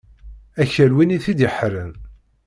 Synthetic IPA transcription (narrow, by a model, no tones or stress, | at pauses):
æçəlwiniθid̪iħɾən